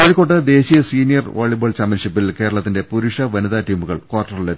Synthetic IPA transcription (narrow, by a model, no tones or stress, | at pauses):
ɐðikoːʈːɨd̪e̞ːɕijɐsiːnijɐrʋo̰ːɭiboːɭt͡ɕaːmpʲjɐnʂipːilke̞ːɾɐɭɐt̪ːinde̞puɾuʂɐʋɐnuðaːʈiːmuɣɐ̰ɭkwaːrʈːɐrile